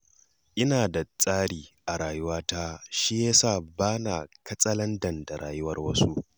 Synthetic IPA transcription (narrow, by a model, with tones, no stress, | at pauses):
ʔɪ˦naː˨da˨t͡sʼaː˦ɽiː˨ʔa˨ɾaː˨jʊ˦waː˦taː˦ʃi˦ja˦saː˦˨baː˦na˨kɐ˦t͡sʼɐ˦lɐ˦ndɐ˨nda˨ɾa̰ː˨jʊ˦wɐ˦rwɐ˦su˦